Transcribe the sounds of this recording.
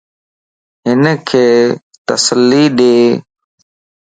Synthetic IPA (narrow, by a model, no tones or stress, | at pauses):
ɦɪnkʰeː | t̪əsəlːiːɗeː